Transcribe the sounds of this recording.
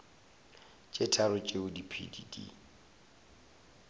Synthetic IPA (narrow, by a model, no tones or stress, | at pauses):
t͡ʃʼetʰaɾʊt͡ʃʼeʊdipʰḭdḭdḭ